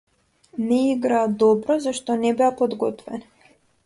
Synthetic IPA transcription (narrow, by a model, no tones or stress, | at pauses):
nɛiɡɾaːd̪ɔbɾɔzaʃt̪ɔnɛbɛapɔd̪ɡɔt̪vɛ̰na